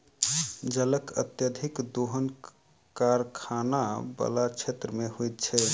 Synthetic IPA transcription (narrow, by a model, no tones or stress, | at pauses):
d͡ʒələkə̰t̪jəd̪ʱikd̪oɦən | kaɾkʰanabə̰lat͡ʃʰet̪ɾəmehojt̪t͡ʃʰɛ